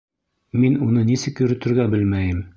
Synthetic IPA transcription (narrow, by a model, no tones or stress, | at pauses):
minunɤnisɘkjɵ̆ɾɵ̆t̪ɘ̆ɾɡæbɘlmæjɘm